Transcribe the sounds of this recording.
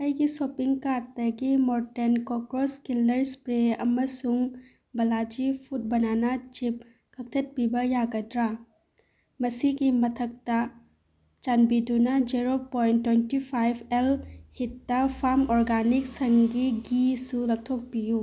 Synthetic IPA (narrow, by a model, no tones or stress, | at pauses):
ajɡisopiŋkaɾtɐɡimoɾtenkokɾoskildɐɾspɾeɐ̰mɐsuŋ | bɐlad͡ʒipʰut̚bɐnanɐt͡ʃip̚ | kʰɐk̚tʰɐt̚pibɐjaɡɐdɾa | mɐsiɡimɐtʰɐk̚tɐ | t͡ʃanbidunɐd͡ʒiɾopojntːwejntipʰajbʱelhitːɐpʰaɾmɔɾɡanik̚sɐŋɡiɡisulɐk̚tʰok̚piju